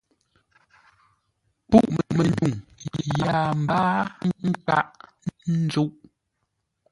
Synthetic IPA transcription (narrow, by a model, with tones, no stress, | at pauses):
pu˦ʔm˨mə˨ndu˨ŋ˨jaː˨m̩˨baː˦ŋ̩˦ŋ̩˦ka˦ʔ | n˦d͡zu˦ʔ